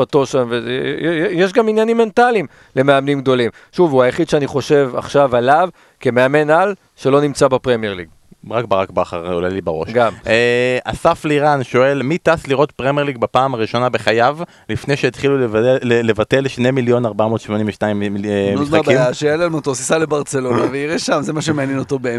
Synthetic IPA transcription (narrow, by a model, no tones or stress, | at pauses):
atoʃamvejjeʃɡaminjanimːe̞ntalim | le̞meamnimɡ̚d̪o̞lim | ʃuvuajaχid̪ʃeaniχo̞ʃe̞va̰χʃavalav | kemeame̞nal | ʃelo̞nimt͡sabapʁemjeʁliɡ̚ | ʁak̚baʁakbaχaʁolalibaʁo̞̰ʃɡameasafleiʁanʃo̞e̞lmit̪asliʁo̞t̪pʁemjeliɡ̚bapaːmaʁiʃo̞nabe̞χajav | lifnejʃeit̪χilulevate̞lʃnemiljo̞naʁbamo̞ːt̪ʃmo̞nĩmveʃnaimmnoismakbaimjaʃealelmot̪osisalebaʁt͡se̞lo̞naveiʁeʃamzemaʃ̬emeanjenot̪obe